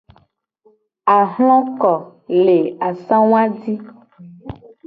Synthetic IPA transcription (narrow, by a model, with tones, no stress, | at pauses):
a˨ɦlɔ̃˦kɔ˨le˨a˨sã˦w̃ã˦di˦